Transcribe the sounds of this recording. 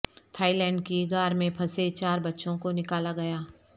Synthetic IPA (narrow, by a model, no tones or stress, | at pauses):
t̪ʰaːilɛ̃ːɳɖkiɡaːɾmẽpʰɐset͡ʃaːɾbɐtːʃõkonɪkaːlaɡɐjaː